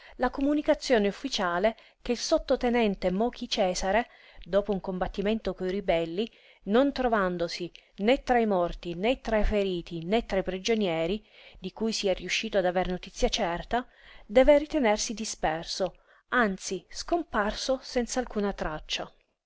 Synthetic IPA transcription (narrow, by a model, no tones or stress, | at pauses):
lakomunikat̪sːjoːneufːit͡ʃaːle | k̟eilsot̪ːot̪enɛnt̪emɔːkit͡ʃɛːzaɾe | d̪ɔːpouŋkombat̪ːiment̪okoiɾibɛlːi | nont̪ɾovand̪osinet̪ːɾaimɔrt̪inet̪ːɾaifeɾiːt̪inet̪ːɾaipɾid͡ʒonjɛːɾid̪ikujsiɛrːiuʃːiːt̪oad̪aveɾnot̪it̪sːjat͡ʃɛrt̪ad̪ɛːverit̪enersid̪ispɛrso | ant̪siskomparsosɛnt̪salkuːnat̪ɾat͡ʃːa